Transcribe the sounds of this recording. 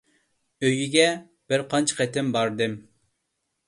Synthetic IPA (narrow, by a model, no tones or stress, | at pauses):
øjiɡʲɛ | b̥ɪɾqʰɑnt͡ʃʰqɛt̪ɪmbɑɾd̪ɨm